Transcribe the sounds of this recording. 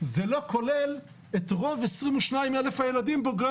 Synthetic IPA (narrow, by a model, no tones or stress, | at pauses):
zelokʰolɛl | etʁovesʁimuʃnaimɛlefajɛladimboɡ